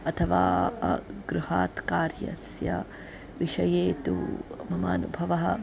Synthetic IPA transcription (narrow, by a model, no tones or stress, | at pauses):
ɐt̪ʰɐʋaː | ɡɾuhaːt̪kaːɾjɐ̰sjɐ̰ | ʋiʃɐjeːt̪ṵmɐmaːnubʱɐʋɐɦɐ